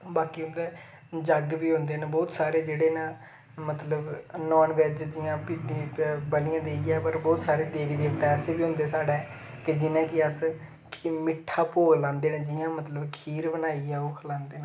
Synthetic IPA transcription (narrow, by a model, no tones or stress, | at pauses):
baːkiːɦʊ̃nd̪ɛː | d͡ʒəɡbiːɦʊ̃nd̪eːnːbɔːt̪saːɾeːd͡ʒeːɽeːnãː | mət̪ləbnɔːnʋɛːd͡ʒd͡ʒɪjãːpiebəlɪːãːd̪eːiːɛːpəɾbɔːt̪saːɾeːd̪eːʋiːd̪eːʋt̪ɛːəseːbiːɦʊ̃nd̪eːsaːɽɛː | kɪd͡ʒɪnẽːkɪəs | mɪʈʰːaːpoːlãːnd̪eːnãːd͡ʒɪjãːmət̪ləbkʰiːɾbənaːiːɛːoːkʰlãːnd̪eːnã